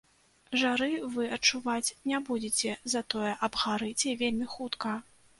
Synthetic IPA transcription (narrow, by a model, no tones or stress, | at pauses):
ʐaɾɨvɨɐt͡ʂːuvat͡sʲnʲabud͡zʲet͡sʲɛzɐt̪ɔjɛʔɐbɣaɾɨt͡sʲɛvʲelʲmʲixut̪kɐ